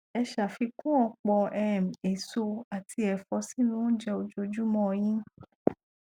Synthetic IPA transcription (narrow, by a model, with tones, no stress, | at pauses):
ɛ˧ʃa˨fi˧kũ˦ɔ˧k͡pɔ˧ɛ˨m̩̃˨e˨so˧a˨ti˧˦ɛ˨fɔ˧˦si˦nũ˦d͡ʒɛ˧o˧d͡ʒo˧d͡ʒu˦mɔ̃˦˧j̃ĩ˦